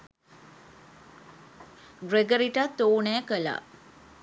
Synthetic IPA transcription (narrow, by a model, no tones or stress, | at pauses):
ɡɾeɡəɾiʈat̪ːoːnɛːkəla̰